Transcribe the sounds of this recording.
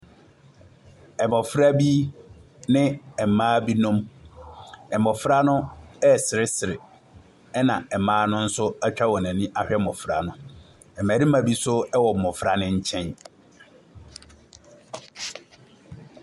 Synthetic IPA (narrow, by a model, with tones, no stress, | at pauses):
ɛ˨mɔ̃˨fɾa˦bi˦ | nɪ̃˦ɛ˨mãː˦bi˦nʊ̃˦m | ɛ˨mɔ˨fɾa˦nʊ̃˦ɛ˦˨sɪ˨ɾɪ˦sɪ˨ɾɪ˨ | ɛ˦nã˨ɛ˨mãː˦nʊ̃˦n̩˦sʊ˦ɛ˦t͡ɕᶣa˦wɔ˨nã˨nĩ˦ʔa˦hᶣɛ˦mɔ̃˨fɾa̰˨nʊ̃˦ | ɛ˨mæ˨ɾi˦mã˨bi˦sʊ˦ɛ˦wɔ˨m̩˨mɔ̃˨fɾa˦nɪ̃˦ɲ̩˦t͡ɕʰɛ̃˦n